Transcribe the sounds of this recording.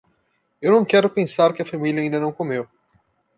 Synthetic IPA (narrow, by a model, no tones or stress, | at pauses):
ewnɐ̃w̃kɛɾʊpẽŋsaɾkɪɐfamiljɐĩnd̪ɐnɐ̃w̃komew